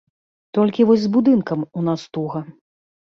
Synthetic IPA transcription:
t̪ɔlʲkʲivɔsʲzbud̪ɨnkɐmunast̪uɣɐ

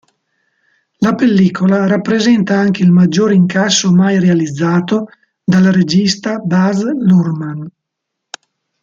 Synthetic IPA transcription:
lapelːiːkʰolaɾapːɾezɛnt̪aaŋk̟eilmad͡ʒːoːɾiŋkasːomajrealid̪zːaːt̪o | d̪alaɾed͡ʒist̪abazlurman

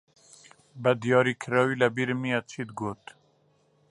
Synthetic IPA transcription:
bɛd̪ijɑːɾikʰɨɾɑːwiːlɛbiːɾmijɛt͡ʃʰiːd̪ɡoːt̪

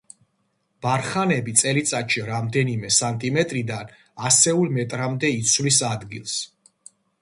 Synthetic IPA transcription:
b̥aɾχanɛbit̪sʼɛlit̪sʼaʃiɾamd̪ɛnimɛsant̪ʼimɛt̪ʼɾid̪an | asɛulˠmɛt̪ʼɾamd̪ɛit̪sʰvlisad̪ɡḭlˠs

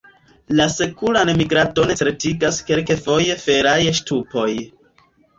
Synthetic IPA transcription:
lase̞kulanemiɡɾado̞netɾetiɡaske̞lke̞fo̞je̞fe̞ɾajʃtupo̞j

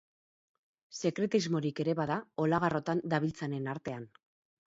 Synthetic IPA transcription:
se̞kɾe̞t̪izmo̞ɾike̞ɾe̞βaðao̞laɣ̞aro̞t̪and̪aβilt͡sane̞naɾt̪e̞an

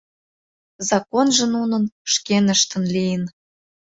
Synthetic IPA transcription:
zɑkonʒə̆nunə̆nʃkenəʃt̪ə̆nlijən

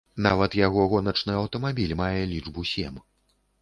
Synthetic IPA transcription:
navɐt̪jaɣɔɣɔnɐt͡ʂnɨɐwt̪ɐmabʲilʲmajɛlʲiʐbusʲɛm

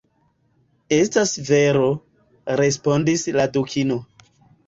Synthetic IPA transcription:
e̞stasve̞ɾo̞ | ɾe̞spo̞ndisladukʰino

